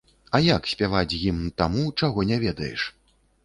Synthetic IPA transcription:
ɐjaksʲpʲavat͡sʲjimt̪amut͡ʂaɣɔnʲɛvʲɛd̪ɐjɛ̰ʂ

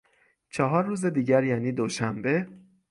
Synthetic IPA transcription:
t͡ʃʰɒɦɒːɾːuːze̞d̪iːɟæɾjæːniːd̪oʃæmbe̞

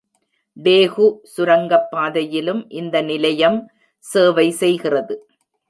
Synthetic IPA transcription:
ɖeːɣusʊɾɐŋɡɐpːaːðɐjɪlɯmʔɪnd̪ɐnɪlɐjɐm | seːʋɐɪsɛjɣɪrɐðɯ

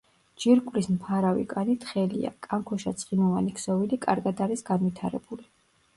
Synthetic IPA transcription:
d͡ʒiɾkʼvɾismpʰaɾavḭkʼanit̪ʰχɛlḭa̰kʼaŋkʰɔʃat̪sʼχimɔvanikʰsɔvilikʼaɾɡad̪aɾisɡanvit̪ʰaɾɛ̰buli

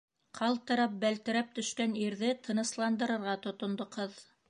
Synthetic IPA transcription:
qʰɑlˠt̪ɤ̆ɾɑp̚bælt̪ɘ̆ɾæp̚t̪ɵ̆ʃkæniɾðɘt̪ʰɤ̆nɤ̆slˠɑnd̪ɤ̆ɾɤ̆ɾʁɑt̪ŏt̪ŏnd̪oqɤð

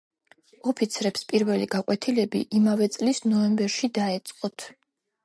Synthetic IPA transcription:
ɔpʰit̪sʰɾɛpspʼiɾvɛliɡakʼwɛt̪ʰilɛbḭʔimavɛt̪sʼlisnɔɛmbɛɾʃid̪aɛt̪sʼqʼɔt̪ʰ

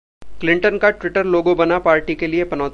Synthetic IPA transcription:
klɪ̃ɳʈənkaʈwɪʈəɾloːɡõbɐnapaːɾʈikeliepɐnɔː

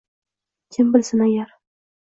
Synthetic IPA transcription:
kʲʰɪmbɪlsɪnajaɾ

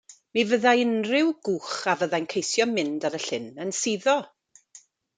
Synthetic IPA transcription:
mivəðajɪnrɪwɡ̥uːχavəðajnkʰejsjɔmɪndaɾəɬɪnənsiðɔ

